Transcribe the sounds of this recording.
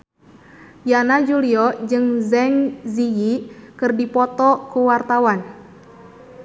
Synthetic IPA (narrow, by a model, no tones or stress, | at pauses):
janad͡ʒuliɔd͡ʒɨŋzɛŋzijikɨrdipɔt̪ɔkuwart̪awan